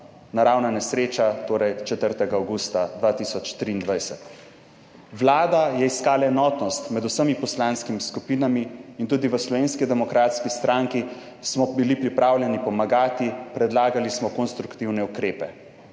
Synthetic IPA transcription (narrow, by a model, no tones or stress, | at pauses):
naɾawnanɛsɾeːt͡ʃat̪oːɾɛjt͡ʃɛt̪əɾt̪ɛɡaawɡuːst̪ad̪ʋaːt̪isɔt͡ʃt̪ɾiːnd̪ʋajsɛt̪ | ʋlaːd̪ajɛiskaːlaɛnɔːt̪nɔst̪mɛd̪usəmipɔslaːnskimiskupiːnamiːnt̪uːd̪iʋəslɔʋeːnskid̪ɛmɔkɾaːt̪skist̪ɾʔaŋki | smɔbilipɾipɾaːwljɛnipɔmaɡaːt̪ipɾɛd̪laːɡalismɔkonst̪ɾukt̪iwnɛukɾeːpɛ